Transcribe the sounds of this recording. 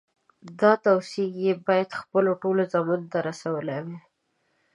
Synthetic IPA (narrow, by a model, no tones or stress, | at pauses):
d̪ɑt̪awsiɡjebɑjad̪xpəloʈolozɑmunt̪aɾasawəlawi